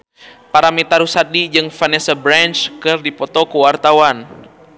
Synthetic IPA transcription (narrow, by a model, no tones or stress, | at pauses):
paɾamit̪aɾusat̚did͡ʒɨŋfanɛsabɾant͡ʃkɨrdipɔt̪ɔkuwart̪awan